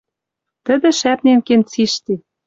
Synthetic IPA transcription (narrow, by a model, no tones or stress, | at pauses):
t̪ə̆d̪ɘ̆ʃæp̚nenkent͡siʃt̪e